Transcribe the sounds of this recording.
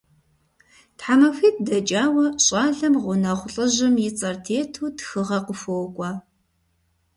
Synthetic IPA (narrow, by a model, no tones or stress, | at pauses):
tħamɐfiːt̚ʰdɐd͡ʒʼaːwɐɕʼɑːɮɐmʁʷʊnɐʁʷʊɬʼɨʑɪmjɪt͡sʼɐrtʰeːtʰuːtxɨʁɐqəfoːkʷʼɑː